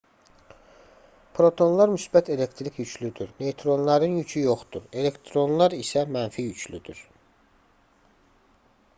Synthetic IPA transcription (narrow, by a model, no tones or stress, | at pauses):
pʰɾo̞t̪ʰo̞nlˠɑɾmysbæt̪ʰe̞le̞kt̪ʰɾikʰjycʰlyd̪yɾne̞t̪ʰɾo̞nlˠɑɾɯnjycʰyjo̞χd̪̥uɾe̞le̞kt̪ʰɾo̞nlˠɑɾisæmænfijycʰlyd̪yɾ